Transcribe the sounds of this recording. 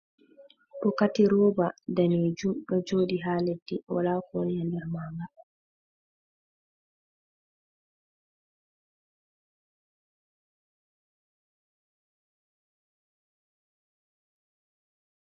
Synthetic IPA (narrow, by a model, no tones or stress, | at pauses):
ɗɔkatiɾɔːbadaneːd͡ʒumɗɔd͡ʒoːɗiɦaːledːɛwalaːkɔnjandɛɾmaːŋɡa